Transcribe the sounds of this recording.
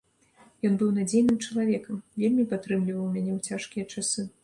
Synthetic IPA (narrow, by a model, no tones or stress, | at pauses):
jɔnbɨwnad͡zʲejnɨmt͡ʂɐlˠavʲɛkɐmvʲelʲmʲipat̪ɾɨmlʲivɐwmʲanʲɛt͡sʲaʂkʲijɐt͡ʂasɨ